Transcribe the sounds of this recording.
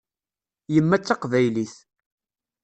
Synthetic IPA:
jəmːæt͡sːɑqvæjliθ

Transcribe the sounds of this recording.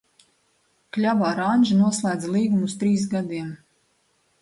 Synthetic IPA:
klʲabaːɾanʲʒnuɔslˠæːd̪zalˠiːɡumust̪ɾiːsɡad̪iɛm

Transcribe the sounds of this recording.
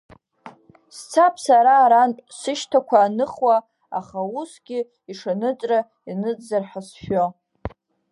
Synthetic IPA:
st͡sʰapʰsaɾaːɾantʼsɨʃtʰakʷʰaːnɨχwa | a̰χausɡʲɪ | iʂanɨt͡sʼra | inɨt͡szarħasʃo

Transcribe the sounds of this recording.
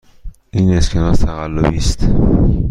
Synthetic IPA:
ʔiːneskʰenɒt̪t̪ʰæɣælːobiːst̪

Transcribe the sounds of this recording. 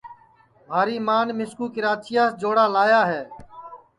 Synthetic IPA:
bʱaːɾiːmaːnmɪskuːkɪɾaːt͡ʃijaːsd͡ʒoːɽaːlaːjaːɦeː

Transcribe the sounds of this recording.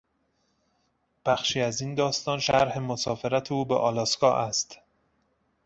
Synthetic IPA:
b̥æxʃiːæzind̪ɒːst̪ɒːnʃæɾhemosɒːfeɾæt̪ʰeuːbeʔɒ̰ːlɒːskɒːʔæst̪

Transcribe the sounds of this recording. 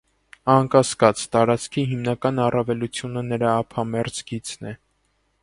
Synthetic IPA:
ɑnkɑskɑt͡st̪ɑɾɑt͡skʰiɦimnɑkɑnɑrɑvɛlut͡sʰjunənəɾɑːpʰɑmɛɾd͡zɡit͡snɛ

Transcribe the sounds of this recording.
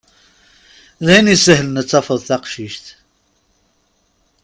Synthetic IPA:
ðæjnisəhlənət͡sːɑfəðˤθɑqʃiʃt̪

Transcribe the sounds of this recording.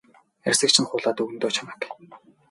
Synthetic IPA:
ærʲsɘ̆kt͡ɕʰɪ̆nχʊːɮaːt̪ɵɣnt̪oːt͡ɕʰamaːk

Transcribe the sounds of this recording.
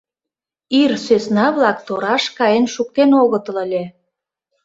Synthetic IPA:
irsøsnɑβlɑkt̪oɾɑʃkɑjenʃuk̚t̪enoɣət̪ələlʲe

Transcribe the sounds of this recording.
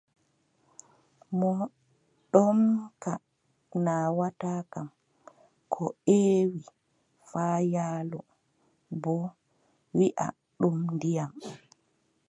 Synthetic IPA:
mɔ | ɗɔmka | nawataːkam | kʰɔeːwi | faːjaːlɔ | bɔ | wiʔa̰ | ɗumndijam

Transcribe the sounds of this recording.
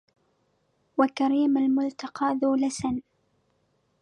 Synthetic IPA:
wakaɾiːmalmʊlt̪ɑqɑːðuːlasan

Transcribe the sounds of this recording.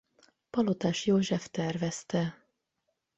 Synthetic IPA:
pɒlot̪aːʃjoːʒɛft̪ɛrvɛst̪ɛ

